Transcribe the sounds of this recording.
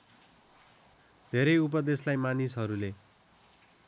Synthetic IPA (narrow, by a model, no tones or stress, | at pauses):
d̪ʱeɾʌjup̬ʌd̪eslajmanisɦʌɾule